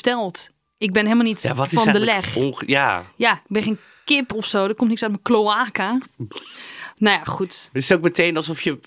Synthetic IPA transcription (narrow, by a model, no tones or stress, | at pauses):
stɛlˠt | ɪk̚bɪnhelˠmalˠnitaɔtfɔndəlɛxja̰jabɪnxen | kɪpɔfsoːdət̚komtnɪksœt̚məkloaːka | nojaxutɪsok̚mətʰeːnalˠsɔfjə